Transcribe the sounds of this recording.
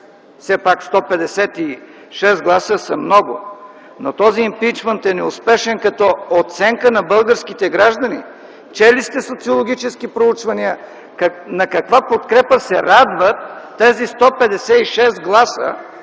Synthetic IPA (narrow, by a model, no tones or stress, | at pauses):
fsɛpakst̪ɔpɛd̪ɛsɛt̪i | ʃɛsɡlˠasəsɐmnɔɡʊ̰ | not̪ɔziːmpit͡ʃmɛnt̪ɛnɛʊspɛʃɛnkɐt̪ɔot̪sɛŋkənɐbɤlˠɡəɾskit̪ɛɡɾaʒd̪ɐnḭ | t͡ʃɛlist̪ɛsot̪siolˠoɡʲit͡ʃɛskipɾout͡ʃvɐniə | kɐnɐkɐkvapot̪kɾɛpəsɛɾad̪vət̪ː | ɛzist̪ɔpɛd̪ɛsɛiʃɛsɡlˠasə̰